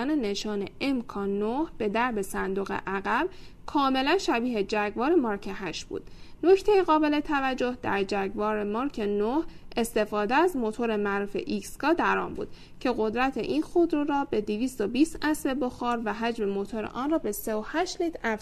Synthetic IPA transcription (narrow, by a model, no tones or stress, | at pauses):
ænene̞ʃɒːne̞̰ʔemkʰɒːnohb̥e̞d̪æɾbe̞sænd̪oɣḛʔæɣæb̥kʰɒːme̞lænʃæbiːɦed͡ʒæɡvɒːɾemɒːɾkʰeɦæʃb̥ṵːd̪̥no̞cʰt̪ʰejeɣɒːbele̞t̪ʰævæd͡ʒːo̞hd̪æɾd͡ʒæɡvɒːɾe̞mɒɾkʰenohʔe̞st̪e̞fɒːd̪eæzmo̞t̪ʰoɾemæɾuːfe̞̰ʔikskɒːd̪æɾɒ̰ːmbṵːd̪̥ | cʰe̞ɣo̞d̪ɾæt̪ʰḛʔinxod̪ɾoɾɒːbe̞d̪iviːst̪obiːst̪ʔæsve̞boxɒːɾvæɦæd͡ʒme̞mo̞t̪ʰoɾḛʔɒːnrɒːbe̞seohæʃt̪lit̪ʰæf